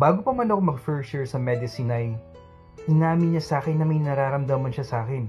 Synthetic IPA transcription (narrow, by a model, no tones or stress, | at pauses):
baːɡopɐmɐnɐkomɐɡfɛɹt͡ʃʊɹsɐmɛd̪ɪsinɐj | ʔɪnaːmɪɲɐsaːkɛnːɐmɐjnɐɾaːɾɐmd̪amɐnʃɐsaːkɛn